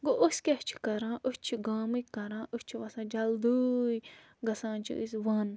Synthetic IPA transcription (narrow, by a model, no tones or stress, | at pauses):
ɡoʔosʲkʲɐht͡ʃʰi̥kɐɾãːʔust͡ʃʰiɡaːmɨkɐɾãːʔusʲt͡ʃʰiʋɐsãːd͡ʒɐld̪uːj | ɡɐsãːnt͡ʃʰḭṵsʋɐn